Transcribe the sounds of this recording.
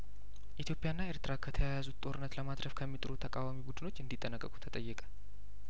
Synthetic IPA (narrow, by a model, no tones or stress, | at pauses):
ʔit̪ʰjo̞pʼːɪjanːaeɾt̪ɨɾakʰət̪ʰəjajazut̪t̪ʼo̞ɾɨnːət̪ləmad̪ɾəfkʰəmːit̪ʼɨɾut̪ʰəkʼawamibud̪ɨno̞t͡ʃːɨnd̪it̪ʼːənəkʼːəkʼu̥t̪ʰət̪ʼəjːɛkʼə̥